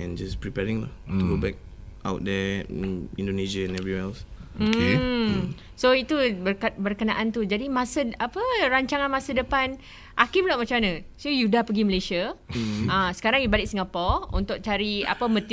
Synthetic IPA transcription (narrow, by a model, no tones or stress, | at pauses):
ɛ̰̃nd͡ʒaspɹipɛɹĩŋla̰ht̪uɡobɛk̚ | ʔa̰wt̚d̪ɛ | ĩndoneʃaɛ̃nɛvɹiŋɛlsm̩ | soit̪ubbərkənaʔant̪ud͡ʒadimãsəapəɾaɲt͡ʃaŋanmãsədəpan | ʔakibulaʔ̚mat͡ʃamanə̃sojudapəɡiməlesia | ãsə̥kaɾaŋjubalɪk̚siŋapɔṵnt̪ʊʔ̚t͡ʃaɾia̰pəmə̃t̪